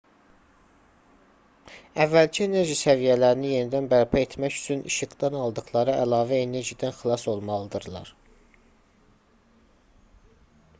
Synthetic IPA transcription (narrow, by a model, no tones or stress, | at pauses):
ævːælcʰiene̞ɾʒisævijælæɾinije̞nid̪ænbæɾpʰæe̞t̪ʰmæcy̥t͡ʃʰynʔḭʃɯɡd̪ɑnɑlˠd̪ɯχlˠɑɾɯʔælɑːvæene̞ɾʒid̪ænxilˠɑso̞lˠmɑlˠɯd̪ɯɾlˠɑ̰ɾ